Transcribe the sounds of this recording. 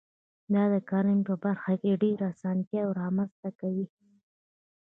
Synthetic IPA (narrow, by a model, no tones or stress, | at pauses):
d̪ɑd̪əkɑɾɪmpəbaɾxakeɖeɾasɑnt̪jawɾɑmanzt̪akawi